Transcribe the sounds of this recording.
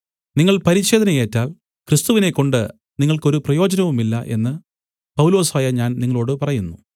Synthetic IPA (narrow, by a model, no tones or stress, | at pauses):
niŋːɐɭpɐɾit͡ɕːe̞ːd̪ʱɐnɐje̞ːtːaːl | krist̪uʋine̞kːo̞ɳɖɨ | niŋːɐɭko̞ɾuprɐjo̞ːd͡ʑɐnɐʋumilːɐ̰ʔe̞̰nːɨ | pɐwlo̞ːsaːjɐɲaːnniŋːɐɭo̞ːɽɨpɐrɐjunːu